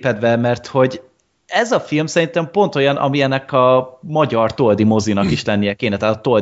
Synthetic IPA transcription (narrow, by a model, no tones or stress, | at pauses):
pɛd̪bɛmɛrt̪ho̞ɟ | ɛzɒfilmsɛɾint̪ɛmpo̞nt̪o̞jɒnʔɒ̰miɛnːɛkɒmɒɟɒrt̪old̪imo̞zinɒkiʃlɛnːijɛkeːnɛt̪aːt̪ɒt̪ol